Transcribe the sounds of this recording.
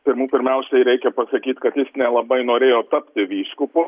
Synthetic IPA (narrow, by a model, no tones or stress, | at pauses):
pʲɪɾmuːpʲɪɾʲmʲɛʊsʲɛɪɾʲɛɪkʲɛpɐsɐkʲiːt̪kɐt̪jɪsnʲɛlˠɐbɐɪnoːɾʲeːjoːt̪ɐpʲt̪ʲɪʋʲiːʃkʊpʊ